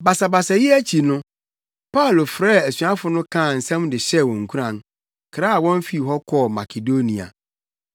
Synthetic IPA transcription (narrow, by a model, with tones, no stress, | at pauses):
ba˨sa˨ba˨sa˨jɪ˦æ˦t͡ɕʰi˨nʊ̃˦ | pa˦ʊ˨lo˨fɾɛː˦˨æ˨sɥa˦fʊ˨nʊ̃˦kʰã˦˨n̩˨sɛ̃˦m˦dɪ˨ɕɛ˦˨wɔ̃˨ŋ˨kʰu˦ɾã˨n | kʰɾa˦a˨wɔ̃˦n˦fi˨ɦɔ˦kʰɔ˦˨ma˨kʰe˨do˦nĩ˨a̰˨